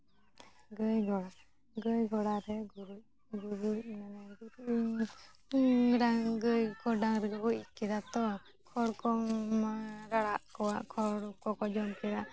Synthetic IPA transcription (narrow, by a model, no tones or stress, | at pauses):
ɡəjɡʱɔɽa | ɡəjɡʱɔɽaɾɛɡuɾuʔ | ɡuɾuʔmanaɾi | ɾaŋɡɯjkɔɖaŋɾɛɡɔbɔʔkɛɾat̪ɔ | kʰɔɽkɔŋmaɾaɽaʔkɔwaʔkʰɔɽukɔkɔd͡ʒɔmkɛɾaʔ